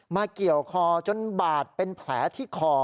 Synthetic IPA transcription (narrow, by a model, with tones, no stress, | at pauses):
maː˧ki˨˩əwkʰɔː˧t͡ɕo˧nbaː˨˩t̪̚pe˧npʰlɛː˩˦˥t̪ʰiː˥˩kʰɔː˧˩